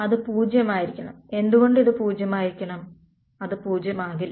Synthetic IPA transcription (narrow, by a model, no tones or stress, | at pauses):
ɐðɨpuːd͡ʑjɐmaːjiɾikʲːɐɳɐme̞nd̪uɣo̞ɳɖiðɨpuːd͡ʑjɐmaːjiɾikʲːɐɳɐm | ɐðɨpuːd͡ʑjɐmaːɣil